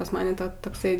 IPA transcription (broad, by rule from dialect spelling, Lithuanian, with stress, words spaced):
pɐs ˈmɑːnʲɛ ˈtɐ tɐkˈsɐɪ